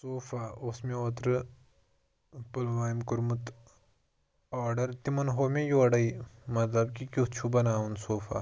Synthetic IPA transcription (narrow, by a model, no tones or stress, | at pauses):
soːfaʊsmẽot̪ɾɨ | pʊlʋaːimkʊɾmut̪ | ɔːɾɖɐɾt̪imɐnɦoːmẽjoːɽɐimɐt̪lɐb̚kikʲuɦt͡ʃʰubɐnaːunsoːfʰa̰